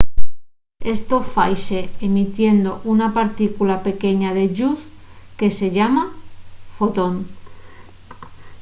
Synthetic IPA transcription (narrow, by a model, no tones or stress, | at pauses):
e̞st̪o̞fajse̞ːmit̪je̞nd̪o̞ʔunapaɾt̪ikulape̞ke̞ɲaðe̞ʝus | ke̞se̞ʎamafo̞t̪o̞n